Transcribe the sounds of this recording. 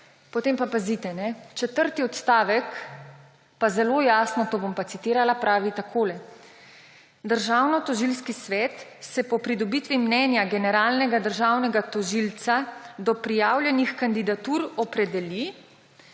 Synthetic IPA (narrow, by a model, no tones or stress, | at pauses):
pɔt̪eːmpapazit̪ɛnɛt͡ʃɛt̪əɾt̪iɔt̪st̪aːʋɛk | pazɛlojaːsnɔt̪oːbompat̪sit̪iːɾalapɾʔaːʋit̪akʰoːlɛ | d̪əɾʒaːwnɔt̪ɔʒilskisʋɛːt̪sɛpɔpɾid̪ɔbit̪ʋimnɛnjaɡɛnɛɾaːlnɛɡad̪əɾʒaːwnɛɡat̪ɔʒilt̪sad̪ɔpɾijaːwljɛnixkand̪id̪at̪uɾɔpɾɛd̪ɛli